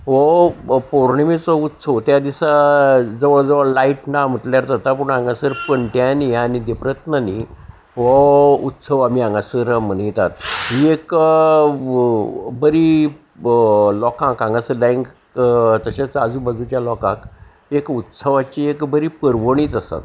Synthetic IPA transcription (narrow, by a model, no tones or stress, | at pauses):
ʋɔpoɾɳimit͡sɔut̪səʋt̪jad̪isad͡zəʋəɭd͡zəʋəɭlaiʈnam̤əʈljaɾt̪at̪ap̬uɳãŋɡasəɾpəɳʈjanianid̪epɾət̪nani | ʋɔut̪səʋamiãŋɡasəɾm̤ənəjt̪at̪ɦiek | bəɾi | lɔkãkãŋɡasəɾlẽŋk | t̪əɕat͡sad͡zũbəd͡zut͡ɕjalɔkã̰k | ekut̪səʋat͡ɕiekbəɾipəɾʋəɳiːt͡sasa̰t̪̚